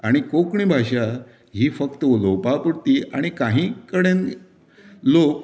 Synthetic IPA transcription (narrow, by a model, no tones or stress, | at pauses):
aɽ̃ikokɳibʱaɕa | ɦiːfəkt̪əolowpapuɽt̪iːaɽ̃ikãɦĩkəɽen | lok̚